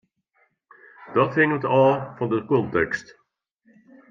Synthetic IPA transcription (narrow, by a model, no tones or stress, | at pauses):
d̥ɔthɪ̃ŋədɔfɔdəkɔ̃ntɛkst